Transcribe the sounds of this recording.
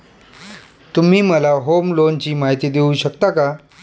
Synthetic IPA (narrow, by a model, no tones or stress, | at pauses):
t̪um̤iːməlaɦomlont͡ɕiːmaɦit̪iːd̪euɕəkt̪aka